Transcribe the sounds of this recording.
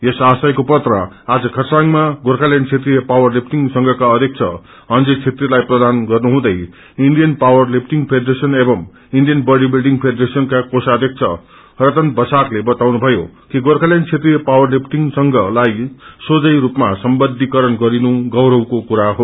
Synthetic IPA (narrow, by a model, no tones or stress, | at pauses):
jesasajkopʌt̪rʌ | ad͡zʌkʰʌsaŋmaɡoɾkʰaljant͡sʰet̪rijʌpawʌrlipʈiŋsʌŋɡʱʌkaʌd̪ʱjʌk̚t͡sʰʌ̰ | ʌnd͡zet͡sʰet̪rilajprʌd̪anɡʌrnuɦũd̪ʌj | inɖijʌnpawʌrlip̚ʰʈiŋɡpʰeɖʌresʌnebʌm | iɳɖijʌnbʌɖibilɖiŋɡpʰeɖʌresʌnkakosaʌd̪ʱjʌk̚t͡sʰʌ | rʌt̪ʌnbʌsaklebʌt̪awnubʱʌjokiɡorkʰaljant͡sʰet̪rijʌpawʌrlip̚ʰʈiŋsʌŋɡʌlajsod͡zʌjɾupmasʌmbʌd̪ʱikʌɾʌnɡʌɾinuɡʌwɾʌwkokuɾaɦo